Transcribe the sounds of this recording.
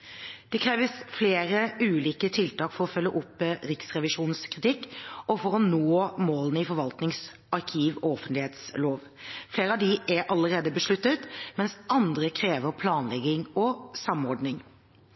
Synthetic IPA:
d̪̥ɛkʰɾeːʋəsfleːɾəʉːliːkət̪ʰɪlt̪ɑːkfɔɾɔfœlːəʔʊpːɾɪksʁɛʋɪʂuːn̩skɾɪt̪ɪkːɔfɔɾɔnoːmoːlənəɪfɔɾʋɑlt̪nɪŋs | ʔɑɾkʰiːʋɔɔfənt̪lɪheːt̪sloːʋ | fleːɾəɑʋd̪ɪʔæɾʔɑləɾeːd̪əbəʂɭʉt̪ːət̪mɛnsʔɑnd̪ɾəkʰɾeːʋəɾpʰlɑːnlɛɡɪŋɔsɑmɔɖnɪŋ

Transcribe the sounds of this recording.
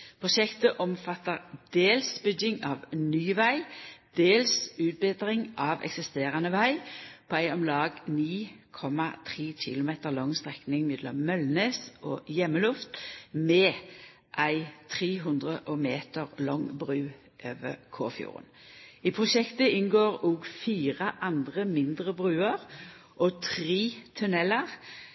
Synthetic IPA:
pʰʁʊʃɛkt̪əʔɔmfɑt̪ːəʁd̪̥eːlsbʏɡɪŋɑːʋnyːʋæɪd̪̥eːlsʉːt̪̚bɪd̪ʁɪŋʔɑʋɛ̰ksɪst̪eːʁɑnəʋæɪpʰoːæɪɔmlɑːɡniːkʰɔmɑt̪ʰʁiːçɪ̰lʊmeːt̪əʁlɔŋst̪ʁɛknɪŋmɪd̪lɔ̰mmœlneːsoːjɛmːəlʉft̪mɛː | ʔæɪt̪ʰʁeːɦʉnd̪ʁəʔɔmeːt̪əʁlɔŋbʁʉː | ʔøːʋə̰kʰo̰ːfjṵːʁə̰n | ipʰʁʊʃɛkt̪əɪnɡoːʁuːɡfiːʁəʔɑnd̪ʁəmɪnd̪ʁəbʁʉːəʁ | ʔɔt̪ʰʁiːt̪ʰʉnɛləʁ

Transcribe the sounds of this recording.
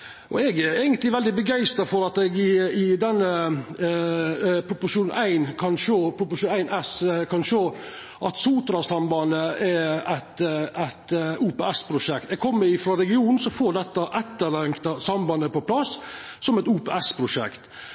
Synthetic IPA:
ʔɔ̰ɛɡæɾæɪɡənt̪lɪʋɛld̪ɪbəɡæɪst̪əfɔɾɑt̪ɛɡɪɪd̪ɛnːə | pʰɾʊpʊʂuːnʔæɪnkʰɑnʂoːpʰɾʊpʊʂuːnæɪnɛskʰɑnʂøː | ʔɑt̪suːt̪ɾɑsɑmbɑnəɛɾæt̪æt̪uːpeːɛspʰɾʊʂɛkt̪ɛɡ̚kʰɔmːəɾɪfɾɑɾɛɡɪuːnn̩sɔfoːɖ̪ɛt̪ːɑʔɛt̪ːəɾlɛŋkt̪ɑsɑmbɑnəpɔpʰlɑsːɔmɛt̪uːpḛːɛspʰɾʊʂɛ̰kt̪

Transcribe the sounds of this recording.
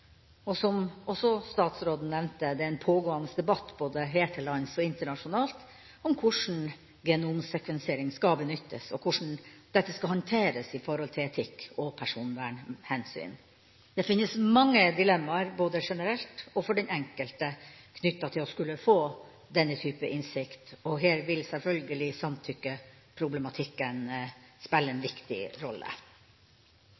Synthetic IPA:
ɔsɔmɔsɔst̪ɑːt̪sɾoːd̪n̩nɛʋnt̪əd̪ɛæɾɛnpʰoːɡoːɑnəsd̪ɛbɑt̪ːboːd̪əɦeːt̪ʰəlɑɪnsɔɪnt̪əɳɑʂʊnɑːlt̪ | ɔmkʰʊʂn̩ | ɡɛnumsɛkʋɛnsɪeːɾɪŋskɑbənʏt̪ːəsɔkʰʊʂɳ̩d̪̥ɛt̪ːəskɑhɑnt̪ʰeːɾəsɪfɔɾhɔlt̪ʰɪlɛt̪ʰɪkːɔpʰæʂuːnʋæːɳhɛnsy̰ːn | d̪ɛfɪnːəsmɑŋːəd̪ɪlɛmːɑɾboːd̪əʂɛnəɾɛlt̪ɔfɔɖɛnɛŋkəlt̪əkʰnʏt̪ːɑt̪ʰɪlɔskʉlːəfoː | d̪ɛnːət̪ʰyːpəʔɪnsɪkt̪ɔɦeːɾʋɪlsɛlfœlɡəlɪsɑmt̪ʰʏkːə | pʰɾʊblɛmɑt̪ʰɪkːənspɛlːəɛnʋɪkt̪ɪ̰ɾɔlːə̰

